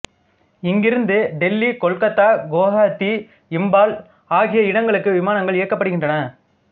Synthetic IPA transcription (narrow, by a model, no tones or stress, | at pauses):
ɪŋɡɪɾɯnd̪ɯɖɛlːikɔɭkɐt̪ːaːɡoːɣaːt̪ːi | ɪmbaːl | aːɣɪjɐɪɽɐŋɡɐɭɯkːɯʋɪmaːnɐŋɡɐɭɪjɐkːɐpːɐɽɯɣɪndrɐnɐ